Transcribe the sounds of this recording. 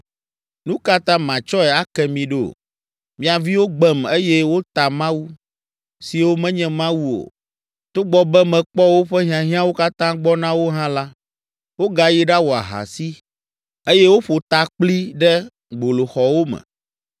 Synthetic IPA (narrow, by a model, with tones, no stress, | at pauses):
nũ˦ka˦t̪ã˦mã˨t͡ʃɔ˦ɛ˨a˦kɛ˨mĩ˨ɖo̰˦˨ | mĩ˨a˨vi˦wo˦ɡ͡bɛ˨me˦jɛ˦wo˦t̪a˨mã˦wu˦ | si˨wo˦mɛ̃˦ɲɛ̃˨mã˦wu˦o̰˨ | t̪o˦ɡ͡bɔ˨bɛ˦mɛ̃˨k͡pɔ˦wo˦ɸɛ˦ɦĩ˦ã˨ɦĩ˦ã˦wo˦ka˦t̪ã˦ɡ͡bɔ˦nã˦wo˦ɦã˦la˦ | wo˦ɡa˨ji˦ɖa˦wo˨a̰˨ɦa̰˨si˦ | e˦jɛ˦wo˦ɸo˨t̪a˨k͡pli˦ɖɛ˦ | ɡ͡bo˨lo˨xɔ˨wo˦mɛ̰̃˨